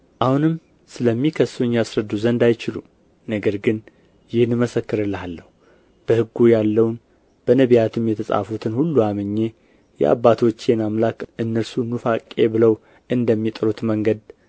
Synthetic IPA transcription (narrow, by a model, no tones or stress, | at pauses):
ʔahunɨm | sɨləmːikʰəsuɲjjasɾəd̪ːuzənd̪ajt͡ʃɪlṵ | nəɡəɾɡɨn | jɪhnɨməsəkːɨɾɨlːhalːəhu | b̥əhɨɡujalːəwn | b̥ənəβijat̪ʰɨmjɛt̪ʰəsʼa̰fut̪ʰɨnhulːuamɨɲːe̞ | jɛ̰ʔa̰bːat̪ʰo̞t͡ʃːenamlakʔɨnːəɾsunufakʼːe̞bɨləw | ʔɨnd̪əmːit̪ʼɾut̪məŋɡəd̪